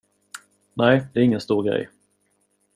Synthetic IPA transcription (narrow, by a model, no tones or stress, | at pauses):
næɪd̪ɛæɾɪŋːənst̪uːɾɡɾɛ̰j